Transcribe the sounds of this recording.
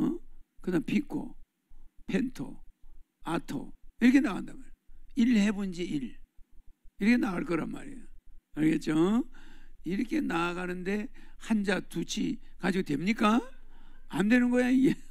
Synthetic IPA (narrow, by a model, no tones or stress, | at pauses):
kɯnapʰikʰo̰ | pʰentʰo̰ | atʰo̰iɾʌkʰe̞naɣandamaɾilhebund͡ʑiiɭ | iɾʌkʰenaɣaɭk͈ʌɾa̰nma̰ɾiokɯɾɡet̚t͡ɕ͈o | iɾʌkʰe̞naːɡanɯnde̞hand͡ʑatut͡ɕʰi | kad͡ʑiɡotwe̞mɲik͈a | andwenɯnɡʌjaɲie